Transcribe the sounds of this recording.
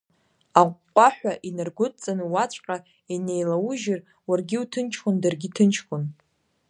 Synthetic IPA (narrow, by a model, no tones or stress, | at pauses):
aqʷqʷʼaħʷᶣaʔinɨrɡʷʊtʼt͡sʼanɨwat͡ɕʷʼqʼa | ine̞jlawuʒɪr | warɡʲiutʰɨnt͡ʃʰkʰʷondarɡʲitʰɨnt͡ʃʰkʷʼʊn